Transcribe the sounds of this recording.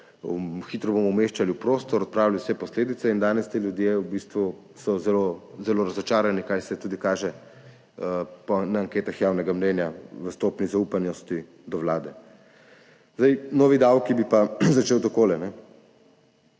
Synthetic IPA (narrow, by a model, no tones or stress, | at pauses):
xiːt̪ɾɔbomɔumeʃt͡ʃaliwpɾoːst̪ɔɾɔt̪̚pɾaːwlaliwsɛpɔsleːd̪it̪sɛind̪aːnɛst̪eljud̪jewbist̪ʋu | sɔzɛlozɛloːɾɐzɔt͡ʃaːɾanikajsɛt̪uːd̪ikaːʒɛ | pɔnaːŋkeːt̪axjaːwnɛɡamnɛnjaʋəst̪oːpnizauːpanjɔst̪i | d̪ɔʋlaːd̪ɛ | zd̪ajnɔːʋid̪awkibipazat͡ʃeːwt̪ɔkoːlɛnɛ